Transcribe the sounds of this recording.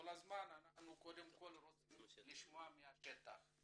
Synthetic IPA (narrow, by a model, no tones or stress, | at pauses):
ɔlazimanananukʼɔdem̩kʼolɾoiliʃimamiaʃɛt̪a̰